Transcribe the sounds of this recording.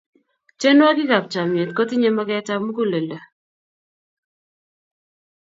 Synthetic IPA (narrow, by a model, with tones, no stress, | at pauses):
t͡ʃe˦nwa˦ɡɪ˦ka˨p̚t͡ʃa˨mje˨tko˦tɪ˦ɲe˦ma˦kɛ˦ta˦mu˦ko˦le˨le˨